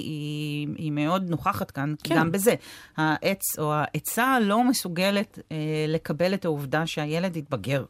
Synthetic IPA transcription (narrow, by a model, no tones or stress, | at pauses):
iime̞o̞dnoχaχatkankiɡambe̞zehaʔet͡so̞aʔet͡salo̞me̞suɡe̞le̞tle̞kabe̞lethauvdaʃeaje̞le̞dit̚bɐɡe̞ʁ